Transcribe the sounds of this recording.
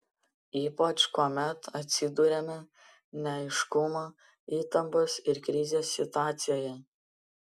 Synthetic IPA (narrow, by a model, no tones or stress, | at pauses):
iːpɐt͡ʃkuːmʲɛt̪ɐt̪ʲsʲɪd̪uɾʲɛmʲɛ | nʲɛɐɪʃkʊmoː | iːt̪ɐmpʊsɪɾkɾʲɪzʲeːsːʲɪt̪ʊɑːt̪sʲɪjoːjɛ